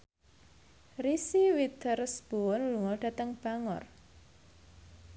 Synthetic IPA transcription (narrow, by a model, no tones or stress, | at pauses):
risiwit̪ərsb̥o̤wɔnluŋɔɖ̥ä̤t̪əŋb̥a̤ŋɔ̰r